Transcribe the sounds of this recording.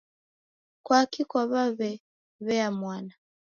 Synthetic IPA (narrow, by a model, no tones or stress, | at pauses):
kwakikwaβaβɛ | βɛamwana